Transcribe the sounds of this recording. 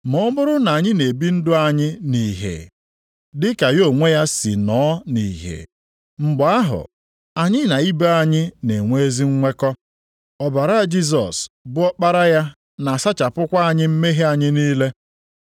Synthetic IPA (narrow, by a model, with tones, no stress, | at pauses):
mɔ˨˦mʊ˦ɾʊ˦na˨a˨ɲɪ˦ne˨bi˦n̩˦dʊ˦a˨ɲɪ˦ni˨ɦḛ˨ | dɪ˦ka˨jo˦˨ŋʷe˦ja˦si˨nɔː˨˦nḭ˨ɦḛ˨ | ŋ͡m̩˨ɡ͡ba˦ɦʊ̰˨ | a˨ɲɪ˦na˨i˦be˦a˨ɲɪ˦ne˨ŋʷe˦e˦zi˦ŋ̩˦ŋʷe˦kɔ˦ | ɔ˨ba˨ɾa˦˨d͡ʒi˦s̬ɔ̰˨sbʊ˦ɔ˦k͡pa˦ɾa˦ja˦ | na˨sa˦t͡ʃa˨pʊ˦kʷa˦a˨ɲɪ˦m̩˦me˦ɦe˦a˨ɲɪ˦niː˦le˦